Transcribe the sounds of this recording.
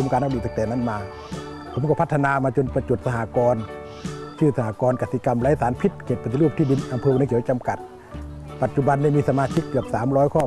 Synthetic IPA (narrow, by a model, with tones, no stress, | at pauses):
mkaː˨nʔa˧˩duː˧˩t̪sa˧kt̪ɛː˨˧˩na˧˥˨nmaː˧ | pʰo˩˦mkɔ˧˩pʰa˧t̪ʰːa˧naː˧maː˧t͡ɕo˧˨npa˧t͡ɕo˨˩t̪̚sa˧ɦaː˨˧˦kɔː˧n | t͡ɕʰɯː˧˩sa˧haː˨˧˦kɔː˧nka˧˩si˧˦ka˧mlaː˧˥jsaː˨˦npʰi˧˩t̪̚kʰeː˧˩t̪̚pa˧˩t̪i˧luː˧˥˩p̚t̪ʰiː˧˩di˧nʔa˧mpʰɤː˧˥˨kʰi˩˦wt͡ɕa˧mka˨˩t̪̚ | pa˨t̪̚t͡ɕu˧ba˧nda˧˩˨miː˧sa˧maː˧sʰi˧˥kkɯ˧˩əp̚saː˨˦mlɔː˧˥jkʰɔː˧˩